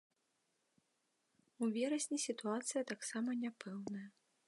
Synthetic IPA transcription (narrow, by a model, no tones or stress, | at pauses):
uvʲɛɾɐsʲnʲisʲit̪uat̪sɨjɐt̪aksamɐnʲapʰɛwnɐjɐ